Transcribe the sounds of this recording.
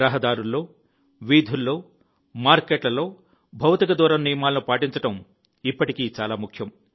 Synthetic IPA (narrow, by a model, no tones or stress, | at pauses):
ɾɐɦɐd̪aːɾulːo̞ː | ʋiːd̪ʱulːo̞ː | maːɾkeʈlɐlo̞ː | bʱɐwt̪ikɐd̪uːɾɐmnijɐmaːlɐnupaːʈiɲt͡ʃɐʈɐm | ipːɐʈikiːt͡ʃaːlaːmukʰjɐm